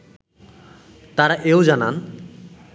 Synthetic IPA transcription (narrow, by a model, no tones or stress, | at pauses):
t̪aɾaʔeod͡ʑanan